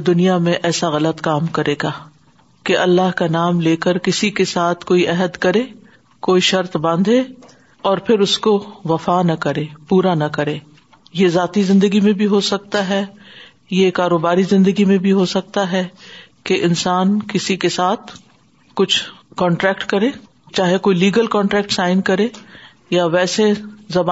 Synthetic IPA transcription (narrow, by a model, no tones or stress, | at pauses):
d̪ʊnijamẽʔɛːsaɣɐlət̪kaːmkɐɾʔeːɡaː | keʔɐlːaɦkanaːmleːkəɾkɪsikesaːt̪ʰkoːiʔɛɦəd̪kɐɾẽː | koːiʃɐɾt̪bɐ̃nd̪ʱẽ | ɔːɾpʰɪɾʊskoʋɐfaːnɐkɐɾẽːpuːɾanɐkɐɾẽː | jezaːt̪izɪ̃nd̪əɡimẽbʱiɦosɐk̚t̪aɦɛ | jekaːɾoːbaːɾizɪ̃nd̪əɡimẽbʱiɦosɐk̚t̪aɦɛkeʔɪnsaːnkɪsikesaːt̪ʰ | kʊt͡ʃʰkɔ̃ːɳʈɾɛːkʈkɐɾẽː | t͡ʃaːɦekoːiliːɡəlkɔ̃ːɳʈɾɛːk̚ʈsaːɪnkɐɾẽː | jaʋɛːsezɐba